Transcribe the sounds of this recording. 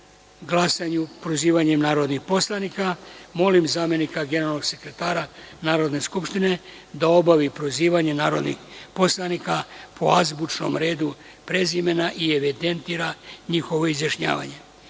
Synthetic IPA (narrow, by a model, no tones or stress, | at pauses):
ɡlˠasaɲupɾoziːʋaɲe̞mnaːɾo̞d̪nixpo̞slˠanikamo̞limzaːmje̞nikaɡene̞ɾalno̞ɡse̞kɾet̪aːɾa | naːɾo̞d̪ne̞skupʃt̪ine̞ | d̪ao̞baʋipɾoziːʋaɲe̞naːɾod̪nḭxpo̞slˠanikapʰo̰azbut͡ʃno̞̰mɾe̞ːd̪u | pɾe̞zime̞naʔieʋid̪e̞nt̪iɾaɲixo̞ʋo̞izjaʃɲa̰ːʋa̰ɲe̞